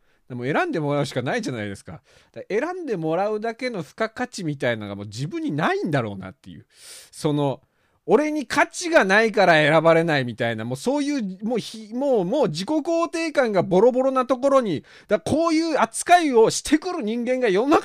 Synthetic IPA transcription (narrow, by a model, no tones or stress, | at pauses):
d̪̥amoe̞ɾãnd̪e̞mo̞ɾaɯ̟ɕi̥kanaiʑana̰id̪e̞sɨ̥ka̰ | d̪̥ae̞ɾãnd̪e̞mo̞ɾaɯ̟d̪ake̞no̞ɸɯ̟̥kakat͡ɕimʲit̪ainaoɡa̰mo̞̰ːd͡ʑibɯ̟̃ɲ̟ːinaĩnd̪aɾo̞̰ːna̰t̪ːe̞̰jɯ̰ː | so̞no̞ | oɾe̞ɲ̟ikʰat͡ɕiɡanaikaɾae̞ɾabaɾe̞naimʲit̪ainamo̞ːso̞ːjɯ̟ːmoːçimoːmo̞ːʑiko̞koːt̪e̞ːkãŋɡabo̞ɾo̞bo̞ɾo̞nat̪o̞ko̞ɾo̞ɲ̟i | d̪̥akʰo̞ːjɯ̟ːat͡sɨ̥kaio̞ɕi̥t̪ʰe̞kɯ̟ɾɯ̟ɲ̟ĩŋɡẽ̞ŋɡajona